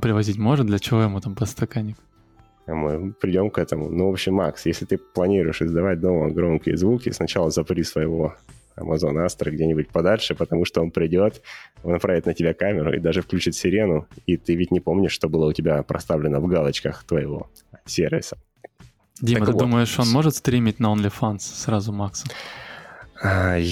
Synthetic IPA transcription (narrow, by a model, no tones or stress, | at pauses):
pɾʲɪvɐzʲit̚ʲmo̞ʐɨt̪d̪lʲət͡ɕɪvo̞jɪmut̪ampəst̪ɐkanʲɪk | mɨpɾʲɪdʲo̞mkɛt̪əmʊ̰nuvo̞pɕːɪmːaksjesʲlʲɪt̪ɨplˠɐnʲiɾʊjɪʂɨzd̪ɐvat̚ʲd̪o̞məɡɾo̞mkʲɪjə̰zvukʲɪsnɐt͡ɕalˠəzɐpɾʲisvəjɪvo̞ | ɐ̰mʔɐzo̞nəast̪ɾəɡdʲenʲɪbʊt̚ʲpɐd̪alʲʂɨpət̪ɐmuʂt̪oonpɾʲɪdʲo̞t̪nɐpɾavʲɪt̪nətʲɪbʲakamʲɪɾʊ̰ʔḭd̪aʐɨfklʲʉt͡ɕɪt̪sʲɪɾʲe̞nʊit̪ɨvʲɪtʲnʲɪpo̞mnʲɪʂʂt̪obɨlˠəʊtʲɪbʲapɾɐ̰st̪avlʲɪnəvɡalˠət͡ɕkəxt̪vəɪvo̞̰ | sʲervʲɪ̰sə̥ | dʲimət̪ɨvd̪uməjɪʂonmo̞ʐɨt̪st̪ɾʲimʲit̚ʲnɐonlʲɪfanssɾazʊmaksə | a